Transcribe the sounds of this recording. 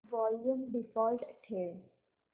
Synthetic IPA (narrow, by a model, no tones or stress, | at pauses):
ʋɔːljũmbɪfɔːlɖʈʰeːl